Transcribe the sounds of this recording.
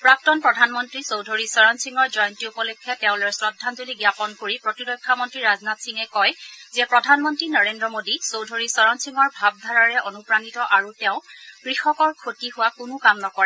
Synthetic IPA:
pɹak̚tɔnpɹɔdʱanmɔntɹisowdʱoɹisɔɹɔnsiŋɔɹzɔjɔntiupɔlɔkʰːɛtɛʊ̃lɔɹsɹɔdʱːantuliɡjapɔnkoɹipɹɔtidɔkʰːamɔntɹiɹaznatsiŋɛkɔjzɛpɹɔdʱanmɔntɹinɔɹendɹɔmodisowdʱoɹisɔɹɔnsiŋɔɹbʱab̚dʱaɹaɹɛʔonupɹanitɔʔaɹutɛʊ̃kɹixɔkɔɹkʰotiɦʊwakunʊkamnɔkɔɹɛ

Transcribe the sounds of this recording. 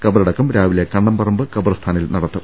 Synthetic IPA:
kɐbɐɾɐɽɐkːumɾaːʋilekɐɳːɐmpɐrɐmbɨkɐbɐrɐst̪ʰaːnilnɐɽɐt̪ːɨ

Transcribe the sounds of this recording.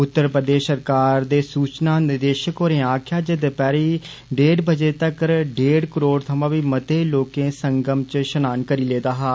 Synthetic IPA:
ʊt̪ːəɾpɾəd̪eːʃsəɾkaːɾd̪eːsuːt͡ʃnaːnɪd̪eːʃəkɦoːɾẽːaːkʰjaːd͡ʒɪd̪pɛːɾiː | ɖeːɖbəd͡ʒeːt̪əkɖeːɽkəɾoːɽt̪ʰəmãːʋiːmət̪eːloːkẽːsəŋɡəmt͡ʃʃənaːnkəɾiːleːd̪aːɦaː

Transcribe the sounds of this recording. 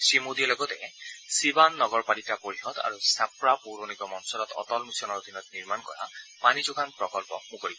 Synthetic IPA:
simodiɛlɔɡɔtɛsibanːɔɡɔɹpalikapoɹixɔta̰ɹusapɹapuɹonikɔmɔnsɔlɔtɔ̰tɔlmisɔnɔɹod̪ʱinɔtniɹmankɔ̰ɹa̰panizuɡʱanpɹɔkɔlpɔ̰mukoɹib

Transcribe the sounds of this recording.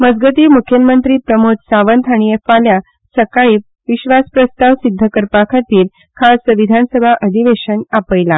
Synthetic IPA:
məd͡zɡət̪iːmukʰjəmənt̪ɾiːpɾəmod͡zsaʋənt̪ʰaɽ̃iefalja | səkaɭiː | ʋiɕʋaspɾəstp̪aʋsid̪ʱːəkəɾpakʰat̪iːl | kʰasəʋid̪ʱansəbʱaʔəd̪ʱiʋeɕənapəjla

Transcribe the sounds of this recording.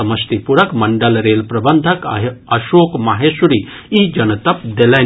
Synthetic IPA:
ɐmɐst̪ipuɾɐkmɐɳɖɐlɾeːlpɾɐbɐnd̪ʱɐkɦɐʃoːkmaɦeːsuɾi | id͡ʒɐnɐt̪ɐp̚d̪elɐ

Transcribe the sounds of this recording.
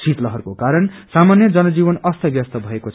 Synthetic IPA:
sʰit̪lʌɦʌrkokaɾʌnsamanjʌd͡zʌnʌd͡zibʌnʌst̪ʰʌbjʌst̪ʌbʱʌekot͡sʰ

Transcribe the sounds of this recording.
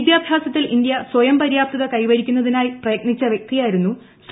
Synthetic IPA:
d̪jaːbʱjaːsɐt̪ːilʔind̪jɐswɐjɐmpɐɾjaːp̚t̪ɐðɐkɐjʋɐɾikʲːunːɐðinaːjprɐjɐk̚ɳit͡ɕːɐʋjek̚t̪ijaːjiɾunːu | s

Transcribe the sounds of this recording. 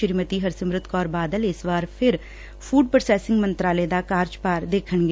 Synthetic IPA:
əɾmət̪iːɦəɾsəmɾɪt̪kɔːɾbaːd̪əlɪsbaːɾpʰɪɾ | pʰuːɖpɾsɛːsɪŋɡmənt̪ɾaːleːd̪aːkaːɾd͡ʒpaːɾd̪eːkʰəɳɡe

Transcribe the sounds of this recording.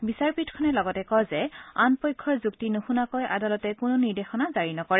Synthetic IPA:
bisaɹpitkʰɔnɛlɔɡɔtɛkɔzɛanpɔjkʰːɔɹzuktinuxunakojʔa̰dalɔtɛkʊnʊniɹdexɔnazaɹinɔkɔɹɛ

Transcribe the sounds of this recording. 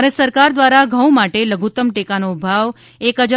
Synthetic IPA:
ɾesəɾkaɾd̪ʋaɾaɡʱə̃w̃maʈeləɡʱut̪əmʈekanobʱaʋ | ekəd͡ʒ

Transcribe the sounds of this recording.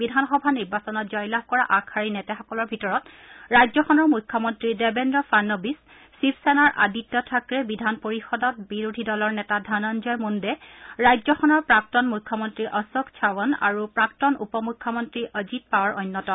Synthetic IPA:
bidʱanxɔbʱaniɹbasɔnɔt̚zɔjlahkɔɹaʔakʰaɹinɛtɛxɔkɔlɔɹbʱitɔɹɔt | ɹajzɔxʰɔnɔɹmukʰːɔmɔntɹidɛbɛndɹɔfanːɔbisː | ipʰsɛnaɹʔa̰ditːɔtʰakɹɛbidʱanpoɹixɔdɔt̚biɹudʱidɔlɔɹnɛtadʱananzɔjmundɛɹajzɔxʰɔnɔɹpɹak̚tɔnmujkʰːɔmɔntɹiʔɔsɔkt͡ʃʰawɔna̰ɹupɹak̚tɔnṵpɔmukʰːɔmɔntɹiʔəzit̚pawaɹʔɔjnːɔtɔ

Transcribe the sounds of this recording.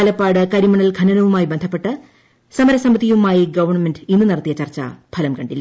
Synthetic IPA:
lɐpːaːɽɨkɐɾimɐɳɐlɡʰʱɐnɐnɐʋumaːjibend̪ʰʱɐpːe̞ʈːɨ | sɐmɐɾɐsɐmbɐt̪ːijʋumaːjiɡɐʋɐrɳɐmendɨinːɨnɐɽɐt̪ːijɐt͡ɕɐrt͡ɕːɐ̰bʰʱɐlɐmkɐɳɖilːɐ

